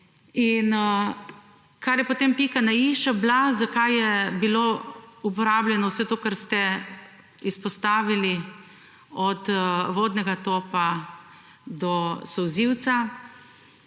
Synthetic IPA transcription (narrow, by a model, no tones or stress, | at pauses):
in | kaɾjɛpɔt̪empikanaiʃablazakajjɛbiloupɔɾaːbljɛnɔwsɛt̪oːkaɾst̪ɛ | ispɔst̪aːʋili | ɔt̪ʋoːd̪nɛɡat̪oːpa | d̪ɔsɔwziwt̪sa